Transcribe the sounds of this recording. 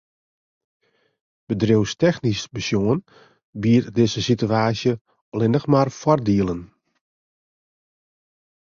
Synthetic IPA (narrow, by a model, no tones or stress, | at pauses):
b̥ədrowstɛxnisbəsjoən | biərdɪzəsityaːsjə | ɔlɪnəxmarfɔrdiəlˠən